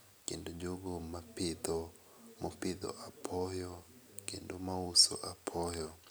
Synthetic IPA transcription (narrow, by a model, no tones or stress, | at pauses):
kḭndɔd͡ʒɔɡɔmapiðɔ | mɔpiðɔ̰ʔapʰɔjɔkindomausɔ̰ʔapʰɔjɔ